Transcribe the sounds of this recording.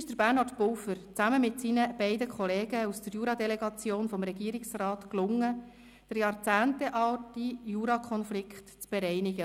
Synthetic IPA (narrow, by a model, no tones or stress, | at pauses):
ɪʃd̥əɾbærnɑɾtpʊwfəɾt͡sæməmɪtsinəb̥ɛɪdəkʰχɔleːɡəusd̥əɾjuːɾɑdɛlɛɡɑt͡sjoːnfɔmɾɛɡ̥iːɾɪksrɑːtklʊŋːə | d̥əɾjɑːɾt͡sæːntɛʔɑltijuːɾɑkʰχɔnflɪkχtt͡sb̥ɛɾɛɪnɪɡə